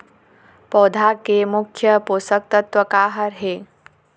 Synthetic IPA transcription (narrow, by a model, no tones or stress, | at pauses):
pɔːd̪ʱakemukʰjəpoːsək̚t̪ət̪ʋəkaːɦəɾɦeː